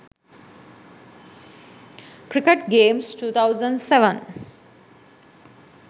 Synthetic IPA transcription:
kɾɪkeʈɡeːmsʈuːt̪ʰaʊzə̃ɳɖseʋə̃n

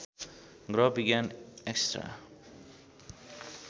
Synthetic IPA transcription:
ɡɾɔbiɡãnɛkstɾa̰

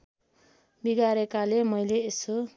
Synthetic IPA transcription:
biɡaɾekalemʌjleːso

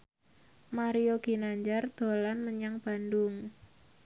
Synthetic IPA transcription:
maɾijoɡ̥i̤naɲd͡ʒard̪̥o̤lanməɲaŋb̥andʊŋ

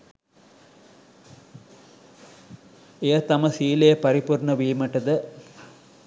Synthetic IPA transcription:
ejɐt̪ɐmɐsiːlejɐpɐɾipuɾɳɐʋiːmɐʈɐd̪ə

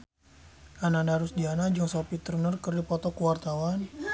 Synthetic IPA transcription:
ʔananaɾusdianad͡ʒɔŋsɔpit̪ərnərkərdipɔt̪ɔkuwart̪awan

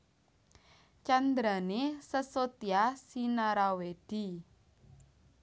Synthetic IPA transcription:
t͡ʃand̪ɾanesəsot̪iasinaɾawed̥i

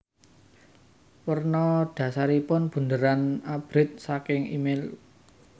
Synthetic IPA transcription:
wərnɔd̥ä̤saɾipʊnb̥ṳnd̪əɾanab̥ɾɪt̪̚sakɪŋḭmel

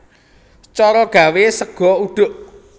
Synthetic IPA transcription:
t͡ʃɔɾɔɡ̥ä̤wesəɡ̥ɔ̤uɖ̥ʊ̤ʔ

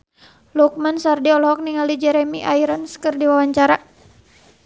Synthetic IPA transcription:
luk̚mansardiɔlɔɦɔk̚niŋalid͡ʒɛɾɛmiʔaiɾanskərdiwawaɲt͡ʃaɾa

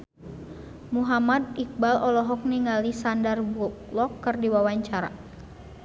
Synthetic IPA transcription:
muɦamad̪̚ik̚balɔlɔɦɔk̚niŋalisandarbuklɔkːɨrdiwawaɲt͡ʃaɾa̰

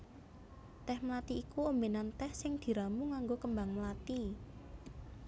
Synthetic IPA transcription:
t̪ɛhməlat̪iːkuombenant̪ɛhsɪŋd̪̥i̤ɾamuŋaŋɡokəmbaŋməlat̪i

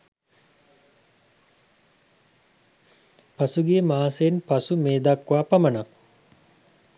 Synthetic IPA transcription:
pasuɡijəmaːsenpasumeːd̪akːʋaːpɐmənak

